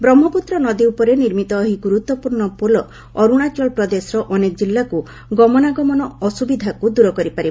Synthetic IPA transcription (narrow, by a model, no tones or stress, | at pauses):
bɾɔm̤ːɔput̪ɾɔnɔd̪iupɔɾeniɾmit̪ɔːɦiɡuɾut̪wɔpuɾɳɔpolɔ | ɔɾuɽ̃at͡ʃɔlpɾɔd̪esɔɾɔʔɔnekɔd͡ʒilːaku | ɡɔmɔnaɡɔmɔnɔɔsubid̪ʱakud̪uɾɔkɔɾipaɾi